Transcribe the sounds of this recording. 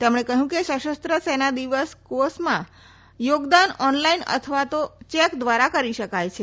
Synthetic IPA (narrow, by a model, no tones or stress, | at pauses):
t̪emɳ̃ekəɦũkeʃəʃəst̪ɾəsɛnad̪iʋəskosmã | joɡd̪anɔnlainə̰t̪ʰəʋat̪ot͡ʃɛkd̪ʋaɾakəɾiʃəkajt͡ʃʰe